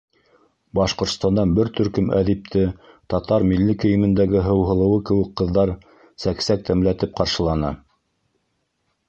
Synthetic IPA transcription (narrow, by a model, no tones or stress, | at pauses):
bɑʃqŏɾt̪st̪ɑnd̪ɑnbɘɾt̪ɵ̆ɾkɵmæ̰ðip̚t̪ʰɘ | t̪ɑt̪ɑɾmilːikɘ̆jɘ̆mɘ̆nd̪æɡɘɦɤ̆wɦɤ̆lˠɤ̆wɤkɘ̆wɘkqːɤ̆ðːɑɾ | sæksæk̚t̪ʰæmlæt̪ɘp̚qɑɾʃɤ̆lˠɑnɑ̰